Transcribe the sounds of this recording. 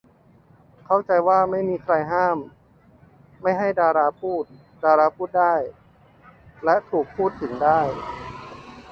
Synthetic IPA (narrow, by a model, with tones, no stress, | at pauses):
kʰa˥˩wt͡ɕa˧jwaː˥˩ma˥˩jmiː˧kʰɾa˧jɦaː˥˩m | a˥˩jɦa˥˩jdaː˧ɾaː˧pʰuː˥˩t̪̚ | daː˧ɾaː˧pʰuː˥˩t̪̚daː˥˩j | lɛ˦˥ʔt̪ʰuː˨˩k̚pʰuː˥˩t̪ʰːɯ˩˦ŋdaː˥˩j